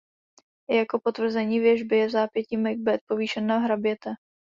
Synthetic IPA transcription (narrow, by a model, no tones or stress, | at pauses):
jako̞pot̪vr̩zɛɲiːvjɛʒbɪjɛzaːpjɛciːmɪɡ̚bɛt̪̚po̞viːʃɛnːaɦɾabjɛt̪ɛ